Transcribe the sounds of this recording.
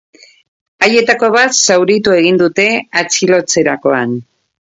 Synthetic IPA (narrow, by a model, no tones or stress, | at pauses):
aje̞t̪ako̞β̞at̪sawɾit̪ue̞ɣ̞ind̪ut̪e̞at͡silo̞t͡se̞ɾako̞an